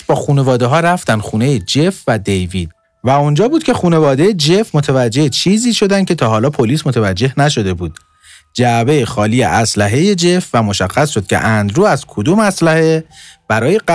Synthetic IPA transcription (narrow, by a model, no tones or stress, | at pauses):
bɒːxuːne̞vɒːd̪e̞ɦɒːɾæft̪ænd̪xuːne̞jed͡ʒe̞fvæd̪e̞jviːd̪̥̚ | væund͡ʒɒːbuːd̪̥cʲʰe̞xuːne̞vɒːd̪e̞jed͡ʒe̞fmot̪ʰevæd͡ʒːe̞het͡ʃʰiːziːʃo̞d̪æncʲʰe̞t̪ʰɒːɦɒːlɒːpʰo̞liːsmot̪ʰevæd͡ʒːe̞hnæʃo̞d̪e̞buːd̪̥ | d͡ʒæbe̞jexɒːlijḛʔæslæɦe̞je̞d͡ʒe̞fvæmo̞ʃæxːæsʃod̪̚cʰʲe̞̰ʔænd̪ɾuːæzkʰod̪uːmæslæheb̥æɾɒːje